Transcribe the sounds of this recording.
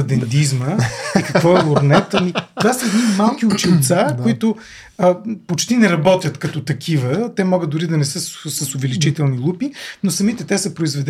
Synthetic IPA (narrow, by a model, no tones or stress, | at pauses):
ɐd̪ɛnt̪izməikɐkvɔɛlˠoɾnɛt̪ənit̪vasəɛd̪nimalˠk̟iʊt͡ʃilˠt̪sakoit̪ʊ | pot͡ʃt̪inɛɾɐbɔt̪ʲjɐt̪kɐt̪ɔt̪ɐkʲʰivət̪ɛmɔɡəd̪ʊɾid̪ɐnɛsəsəsʊvɛlit͡ʃit̪ɛlˠnilˠupinosɐmit̪ɛt̪ɛsəpɾoizvɛd̪ɛ